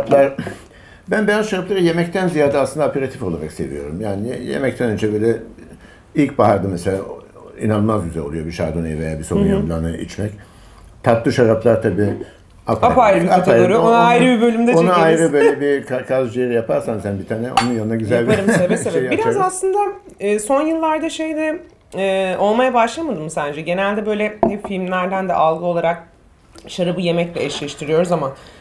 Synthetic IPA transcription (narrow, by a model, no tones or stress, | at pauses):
plˠaɾ | bænbejazʃaɾaplˠaɾɯje̞mɛct̪ʰænzijaːd̪aaslɯnd̪apʰe̞ɾat̪ʰifolˠaɾakse̞vḭjo̞ɾumjaːnijḛmɛc̚t̪ʰɛnønd͡ʒɛbøːlʲɛ | ilʲcbaɦaɾd̪ɯmɛselʲa̰ː | ḭnalˠmazɟyzɛlʲo̞lˠujo̞biʃaɾd̪onejive̞jaːbisonunjablˠanɯḭt͡ʃmɛc | t̪ʰat̪ˠɯʃaɾaplˠaɾt̪ʰabiː | apʰapajɾapt̪ajoɾonajɾɯbibølʲymd̪ɛonaajɾɯbølʲɛbikʰakʰazd͡ʒijeɾijapʰaɾsansænbit̪ʰaːnɛo̞̰nunjannaɟyzalʲeɾimsevɛsevɛbiɾazaslˠɯnd̪aː | so̞njɯlˠːaɾd̪aʃejd̪ɛ | ɛːo̞lˠmajabaʃlˠamad̪ɯmsænd͡ʒɛɟe̞nælʲd̪ɛbø̞jlʲɛfilʲmlʲæɾd̪ænd̪ɛ̰ʔalˠɡɯo̞lˠaɾak̚ | ʃaɾɯbɯje̞mɛclʲɛɛʃlʲɛʃt̪ʰiɾijo̞ɾuzama